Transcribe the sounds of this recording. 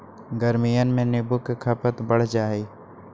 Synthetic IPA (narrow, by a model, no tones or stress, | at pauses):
ɡəɾmijənɪ̆mẽneːbʊkkʰaːpət̪bəɽ̤d͡ʒaːɦeː